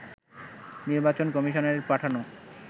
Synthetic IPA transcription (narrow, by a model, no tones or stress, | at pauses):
niɾbat͡ɕonkɔmiʃoneɾpɾaʈʰano